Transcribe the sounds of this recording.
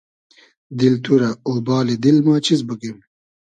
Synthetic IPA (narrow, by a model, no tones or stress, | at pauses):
d̪ilt̪ʰuɾɐoːbɑːled̪ilmɑːt͡ɕizbəɡem